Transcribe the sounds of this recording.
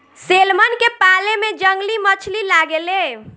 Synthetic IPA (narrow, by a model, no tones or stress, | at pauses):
selmənkepalemed͡ʒəŋɡlimət͡ʃʰlilaɡele